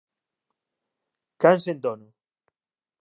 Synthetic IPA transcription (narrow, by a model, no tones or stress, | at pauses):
kansend̪onu